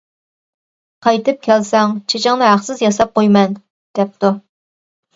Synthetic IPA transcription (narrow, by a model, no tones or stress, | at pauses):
qʰɑjt̪ɨp̚kʲʰɛlsɛŋt͡ʃʰet͡ʃʰɪŋnɨɦæχsɨzjɑsɑp̚qojmɛn | d̪̥ɛp̚t̪u